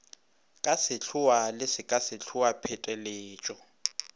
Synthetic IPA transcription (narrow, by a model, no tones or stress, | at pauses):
kʼasɪt͡ɬʰʊalɪsɪkʼasɪt͡ɬʰuwapʰɛtʼɛleːt͡ʃʼɔ